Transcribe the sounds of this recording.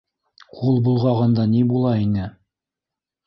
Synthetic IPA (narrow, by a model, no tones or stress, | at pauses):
qʰulˠbulˠʁɑʁɤnd̪ɑnibulˠɑinɘ